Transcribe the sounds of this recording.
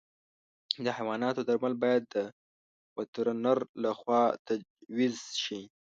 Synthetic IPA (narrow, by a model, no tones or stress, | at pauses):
d̪əhajwɑnɑt̪ot̪əɾmalbɑjad̪ːə | wat̪ɾanaɾlaxwɑt̪ad͡ʒwizʃi